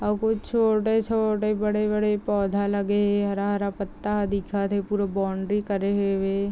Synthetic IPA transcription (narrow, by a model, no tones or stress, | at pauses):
ɐkot͡ʃʰoːʈet͡ʃʰoːʈebəɽebəɽepɔːd̪ʱaləɡeɦɦɐɾaɦɐɾapət̪ːaɐd̪ikʰat̪ʰepuːɾabɔːɳɖɾikəɾeɦeʋeː